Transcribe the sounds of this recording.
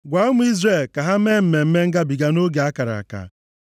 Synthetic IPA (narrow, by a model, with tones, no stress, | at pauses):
ɡʷa˨˦ʊ˦mʊ˦i˦zre˦˨lka˨ɦa˦me˦m̩˨me˨m̩˦me˦ŋ̩˦ɡa˦bi˨ɡa˦no˦ɡe˨a˦ka˨ɾa̰˨ka̰˨